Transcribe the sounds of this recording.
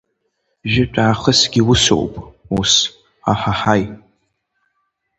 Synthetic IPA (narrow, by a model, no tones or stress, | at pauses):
ʒɪʈ͡ʂʷʼaːχəsɡʲiwʊso̰wpʼus | aħaħaj